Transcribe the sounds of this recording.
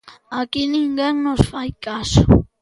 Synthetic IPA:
akinɪŋɡeŋnosfajkaso

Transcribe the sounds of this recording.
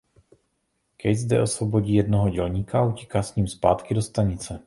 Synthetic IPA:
kɛjzdɛ̰ʔo̞svo̞bo̞ɟiːjɛdnoɦo̞ɟɛlɲiːkaaucɛ̥kaːsɲiːmspaːt̪kɪdo̞st̪aɲɪt͡sɛ

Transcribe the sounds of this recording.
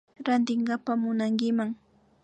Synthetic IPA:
ɾant̪̬ɪɴɢapamʊnaŋkɪmaŋ

